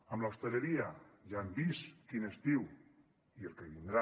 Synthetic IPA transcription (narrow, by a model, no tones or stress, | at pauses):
əmlawst̪eleɾiaʒanbiskinest̪iw | ielˠkeβind̪ɾa